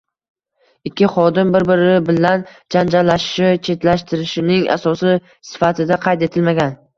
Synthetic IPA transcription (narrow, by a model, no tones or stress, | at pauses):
ɪkʲʰːɪχɒd̪ɪmbɪɾbɪɾɪbɪland͡ʒand͡ʒaɾlːaʃɪʃɪt͡ʃʰe̞t̪laʃt̪ʰɪɾɪʃɪnɪŋa̰sɒsɪ | sɪ̥fat̪ʰɪd̪aqʰɑjt̪e̞t̪ʰɪlmaɡʲan